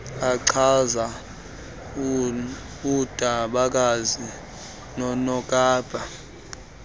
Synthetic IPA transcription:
aǀʰaza | ud̥ʱʼaɓak̬ʼazi | nɔnɔkʼaːb̥ʱa

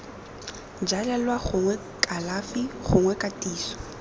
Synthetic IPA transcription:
d͡ʒalɛlwaχʊŋwɛ | kʼalafiχʊŋwɛkʼatʼiːsɔ̥

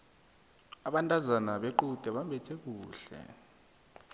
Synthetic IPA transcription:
aɓantʼazanaɓeǃutʼɛɓambʱɛtʰʼek̬uːɬɛ̰

